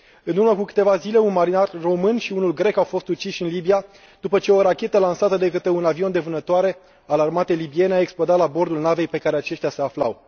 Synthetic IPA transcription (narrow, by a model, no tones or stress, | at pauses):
ɨnuɾməkukɨ̥t̪e̞vazile̞unmaɾinarːo̞mɨnʃiunulɡɾe̞kawfo̞st̪ut͡ʃiʃʲɨnlibija | d̪̥upət͡ʃe̞o̞ɾakʲe̞t̪əlansat̪əd̪e̞kət̪eunavio̞nd̪e̞vɨnət̪oaɾe̞ | alarmat̪elibie̞neaeksplod̪at̪labo̞rd̪ulnave̞jpe̞kaɾeat͡ʃe̞ʃt̪ʲase̞afla̰w